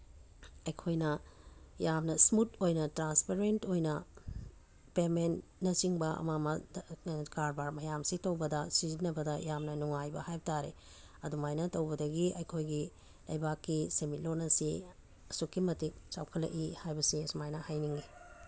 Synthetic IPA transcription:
ɐjkʰojnɐjamnɐsmutojnɐtɾanspeɾentojnɐ | pemenːɐt͡ʃiŋbɐʔɐ̰mamɐ | kaɾbaɾmɐjamsitɐwbɐdɐsizinɐbɐdɐjamnɐnuŋajbɐhajbɐtaɾḛ | ɐdumajnɐtɐwbɐdɐɡiɐjkʰojɡi | lɐ̰jbakːisemitlonɐsi | ɐsukːimɐtik̚t͡ʃa̰wkʰɐlːɐ̰kihajbɐsisumajnɐhajniŋɡi

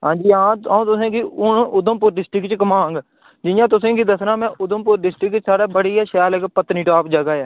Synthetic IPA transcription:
ɦãːɲd͡ʒiːãːãːt̪ʊsẽːɡiːʊnʔʊd̪əmpʊːɾɖɪsʈɾɪkt͡ʃkəmaːɦãːŋɡ | d͡ʒɪjãːt̪ʊsẽːkiːd̪əsɾãːmɛ̃ːʔʊd̪əmpʊːɾɖɪsʈɾɪkt͡ʃsaːɽaːbəɽiːɛːʃɛːlekpət̪ːnĩːʈaːpd͡ʒəɡaːɛː

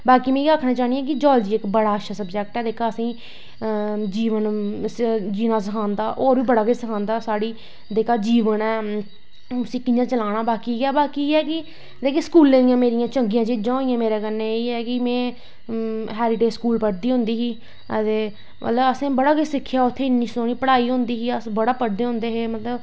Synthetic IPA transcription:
baːkiːmɛ̃ːiaːkʰnãːt͡ʃaːnijãːk̬ɪd͡ʒɔːld͡ʒiːɪkbəɽaːʃasəbd͡ʒɛkʈɛːd̪eːkʰaːəsĩː | d͡ʒiːʋən | d͡ʒiːnaːs̬əkʰãːnd̪aːʔoːɾʋiːbəɽaːkəd͡ʒsəkʰãːnd̪aːsaːɽiː | d̪eːkʰaːd͡ʒiːʋənɛː | ʊsĩːkɪ̃ːd͡ʒãːt͡ʃəlaːɽ̃aːbaːkiaːbaːkiːɛːkɪ | t̪eːkeːskuːlːẽːd̪ijãːmeːɾɪjãːt͡ʃəŋɡɪjãːd͡ʒeːd͡ʒãːĩjãːmeːɾeːkəneiːɛːkɪmɛ̃ː | ɦɛːɾɪʈeːskuːlpəɽd̪iːɦʊ̃ːnd̪iːɦiː | ət̪eː | mə̰t̪ləbəsẽːbəɽaːkəsɪkʰːjaːʊt̪ʰːeːɪnːĩːsoːɽ̃ɳiːpəɽaːiːɦʊ̃nd̪iːɦiːəsbəɽaːpəɽd̪eːɦʊ̃ːnd̪eːɦeːmət̪ləb

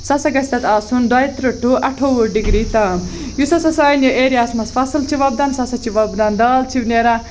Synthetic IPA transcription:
sɐsɐɡɐst̪ɐt̪aːsund̪ɐjt̪ɾɐʈʰːuʔɐʈʰowuɖiɡɾit̪ɐmjusɐsɐsaːjnjuʔeːɾiaːsmɐsfʰɐsɨlt͡ʃʰiʋɐbd̪ɐnsɐsɐt͡ʃʰiʋɐbd̪ɐnd̪aːlt͡ʃʰibneɾa

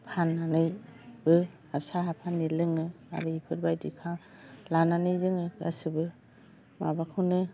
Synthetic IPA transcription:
pʰanːanɯjbɯ | hapsaɦapʰanːilɯŋɯ | a̰ɾɯipʰɯɾbajdikʰaŋ | lananɯjzɯŋɯa̰sɯbɯ | ma̰bakʰɯnɯ

